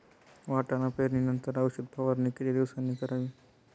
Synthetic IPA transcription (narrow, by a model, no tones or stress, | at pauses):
ʋaːʈanapeːɾninənt̪əɾaʋʃəd̪̚pʰaʋəɾnikɾiɾisanikəɾaːʋiː